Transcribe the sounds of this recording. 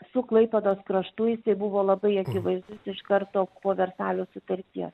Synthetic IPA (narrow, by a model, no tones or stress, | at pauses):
sʊklˠɐɪpʲɛd̪oːskɾɐʃt̪ʊjɪsɐɪbʊʋoːlˠɐbɐɪɐkʲɪʋɐɪzd̪ʊsɪʃkɐrt̪oːpoːʋʲɛrsɑːlʲoːsʊt̪ɐɾʲt̪ʲiɛs